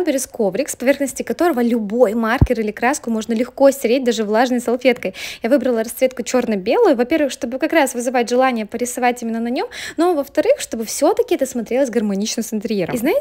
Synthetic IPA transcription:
mbʲɪɾʲɪsko̞vɾʲɪkspɐvʲe̞rxnəsʲtʲɪkɐt̪o̞ɾəvəlʲʊbo̞jmarkʲɪɾɨlʲɪkɾaskʊmo̞ʐnəlʲɪxko̞sʲɪɾʲet̚ʲd̪aʐɨvlˠaʐnəjsɐlˠfʲe̞t̪kəjjavɨbɾəlˠəɾɐsvʲe̞t̪̚kʊt͡ɕo̞rnəbʲelˠʊjʊvɐpʲe̞rvɨxʂt̪o̞bɨkɐkɾasvɨzɨvat̚ʲʐɨlˠanʲɪjəpəɾʲɪsɐvatʲimʲɪnːənɐnʲo̞mnovəft̪ɐɾɨxʂt̪o̞bɨfsʲo̞t̪əkʲɪɛt̪əsmɐt̪ɾʲe̞lˠəsʲɡərmɐnʲit͡ɕnɨmsɨnt̪ɾʲɪjeɾə̰mznaɪ

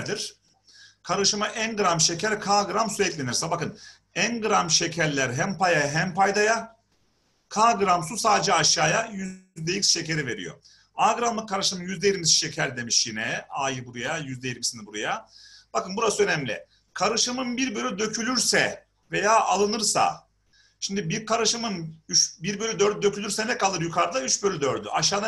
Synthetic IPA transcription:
ɾd̪iɾ̥ | kʰaɾɯʃɯmaʔænɡɯɾamʃe̞cʰæɾkʰaːɡɯɾamsuɛclʲe̞niɾsɛbakɯn | ænɡɯɾamʃe̞cʰæɾlʲæɾɦæmpʰajaɦæmpʰajd̪aja | kʰaːɡɯɾamsusaːd̪d͡ʒɛaʃːaːjajyzd̪ejicsʃe̞ce̞ɾive̞ɾḭjo̞̰ | aːɡɯɾanlˠɯkʰːaɾɯʃɯmjyzd̪ɛjiɾmisi̥ʃe̞cʰæɾd̪e̞miʃjinɛaːjɯbuɾujajyzd̪ɛjiɾmisinibuɾujab̥akɯnbuɾasɯø̞nɛmlʲɪ̰ | kʰaɾɯʃɯmɯnbiɾbølʲyd̪ø̞cʰylʲyɾsɛ | ve̞jaːʔalˠɯnɯɾsa̰ | ʃimd̪ibiɾkʰaɾɯʃɯmɯnyt͡ʃbiɾbølʲyd̪øɾd̪̚d̪ø̞cʰylʲyɾsɛnɛkʰalˠɯɾjukʰaɾd̪ˠayt͡ʃbølʲyd̪øɾd̪y̰ʔaʃ̬aːd̪a

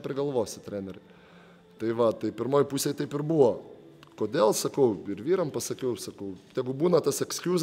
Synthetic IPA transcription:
pʲɾʲɪɡɐlˠʋoːsʲɪt̪ʲɾʲæːnʲɛɾʲɛ | t̪ɐɪʋɐt̪ɐɪpʲɪɾmoːjpuːsʲeːjt̪ɐɪpɪɾbuːʋo | koːd̪ʲeːlˠsɐkɐʊɪɾʋʲiːɾɐmpɐsɐkʲɛʊsɐkɐʊjæɡʊbuːnɐt̪ɐsɛksʲkʲuːz

